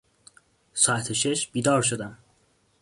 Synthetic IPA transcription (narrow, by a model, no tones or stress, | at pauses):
sɒːæt̪ʰeʃe̞ʃb̥iːd̪ɒːɾʃod̪æm